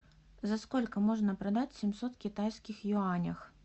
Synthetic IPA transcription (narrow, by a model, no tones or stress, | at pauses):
zaskɔlʲkɐmɔʐnɐpɾad̪at͡sʲsʲimsɔt̪kʲit̪ajskʲixjɔanʲɐx